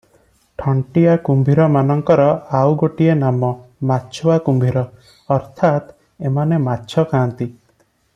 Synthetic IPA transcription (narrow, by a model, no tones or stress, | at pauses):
ʈʰɔɳʈijakumbʱiɾɔmanɔŋkɔɾɔawɡoʈienamɔmaːt͡ʃʰɔwakumbʱiɾɔ | ɔɾt̪ʰat̪ | emanematːt͡ʃʰɔkãːnt̪i